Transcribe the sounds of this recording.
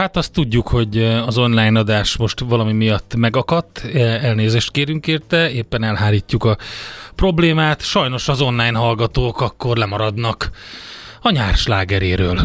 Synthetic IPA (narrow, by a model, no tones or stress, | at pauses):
hat̪ɒst̪ːuɟːukho̞ɟɒzo̞nlajnɒd̪aːʃmo̞ʃt̪ʋɒlɒmimijɒt̪ːmɛɡɒkɒt̪ːɛlneːzeːʃt̪̚keːɾyŋkeːrt̪ɛeːpːɛnɛlɦaːliːcːukɒpro̞bleːmaːt̪ʃɒjno̞ʃɒzo̞nlaːjnɦɒlɡɒt̪oːkɒkːo̞rlɛmɒɾɒd̪nɒk | ɒɲaːrʃlaːɡɛɾeːɾøːl